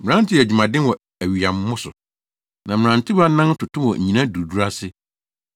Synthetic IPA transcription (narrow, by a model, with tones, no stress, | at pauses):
mɪ̃˨ɾã˦n˦tʰɪ˦æ˨d͡ʑᶣu˨mã˨dɪ̃˦n˦wɔ˨ | æ˨ɥi˨a˨m˦mʊ̃˦sʊ˨ | nã˨m̩˨ɾã˨ntʰi˦ba˦nã˦n˦tʰʊ˨tʊ˦wɔ˨ɲ̩̰˨ɲĩ˨nã˦du˨du˦ɾa˦sɪ˦